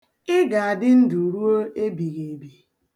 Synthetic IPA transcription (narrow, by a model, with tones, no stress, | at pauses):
ɪ˦ɡa˨a˨dɪ˦n̩˦du˨ɾu˦o˦e˦bi˨ɣe˨bi˨